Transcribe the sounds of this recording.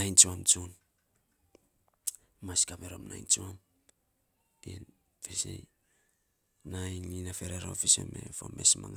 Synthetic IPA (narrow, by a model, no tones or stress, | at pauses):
najnt͡ʃuamt͡ʃon | maskapeɾomnajnt͡ʃuam | in | fesḛj | najnlinafeɾeɾofisḛmefome̞smaŋ